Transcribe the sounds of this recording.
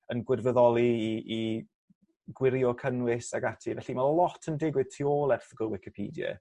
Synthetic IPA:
ənɡwɪrvəðɔlˠiːʔː | ɡwɪɾjɔkʰənwɪsaɡatʰivɛɬimallˠɔtʰəndɪɡwɪð̥tʰioːlˠɛrθəɡəlˠwɪkɪpʰḭːdjɛ̰

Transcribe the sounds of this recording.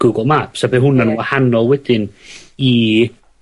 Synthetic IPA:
ɡ̥ʊɡɔlˠmapʰsabeɦʊnanwahanɔlˠwɛd̥ɪni

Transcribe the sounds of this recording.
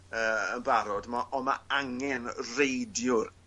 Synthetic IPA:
əːənbaɾɔdmaʔɔmaaŋɛnrejdjʊɾ

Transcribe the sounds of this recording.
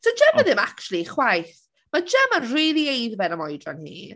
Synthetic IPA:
sod͡ʒəmːaðɪmakt͡ʃulˠiχwajθ | mad͡ʒəmanriːlˠiejðvɛnəmɔjdra̰nhḭː

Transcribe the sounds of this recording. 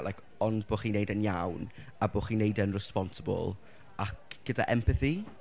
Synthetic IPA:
lajkʰ | ɔndboːχiːnejdənjawn | aboːχiːnejdənrɛspɔnsəbɔ̰lˠ | akɡ̥əda̰ʔɛmpəθi

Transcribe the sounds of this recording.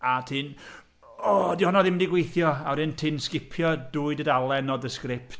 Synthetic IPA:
atʰɪn | ɔdihɔnɔðɪmdiɡwejθjɔawɾɪntʰɪnskɪpʰjɔduːɨdədalˠɛnɔdəskrɾɪpt

